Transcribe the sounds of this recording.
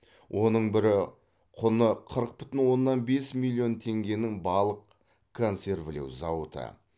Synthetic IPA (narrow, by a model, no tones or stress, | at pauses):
wʔo̞nəɴbɪɾɪ | qʰʊnəqʰəɾəq̚bʏ̥t̪ɪnwo̞nːɑnbe̞smilʲˠːio̞nt̪ʰe̞ŋɡʲe̞nɪŋbɑlˠəq | kʰo̞nse̞ɾvle̞̰wzɑwət̪ə̰